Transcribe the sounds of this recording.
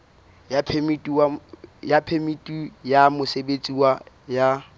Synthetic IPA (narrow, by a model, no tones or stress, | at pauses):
japʰmitʼajapʰemitʼujamʊsebet͡sʼiwa | ja